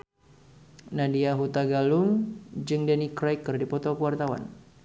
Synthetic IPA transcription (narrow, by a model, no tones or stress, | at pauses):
nadiaɦut̪aɡaluŋd͡ʒɨŋdɛnikɾajkərdipɔt̪okəwart̪awa̰n